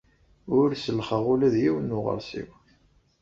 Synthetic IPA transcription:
ʊɾsəlχəʁʊlæðjiwənːʊʁə̰ɾsḭw

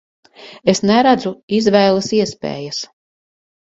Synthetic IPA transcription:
esnɛɾæd̪zuizvɛjlˠɐsiɛspḛːjɐs

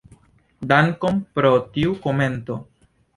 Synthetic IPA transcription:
daŋkompɾotiukome̞nto̞

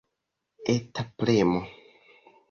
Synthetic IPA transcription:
etaplemo

